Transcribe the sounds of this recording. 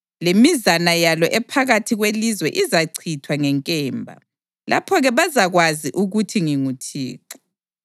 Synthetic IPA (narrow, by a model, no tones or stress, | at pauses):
lemizanajalɔʔɛpʰaɣatʰiɣwelizwɛʔizaǀʰitʰwaŋɛŋkʼɛːmbʱa̰ | lʔa̰pʰɔɣɛβazaɣwaziʔuɣutʰiŋiŋutʰḭːǁḁ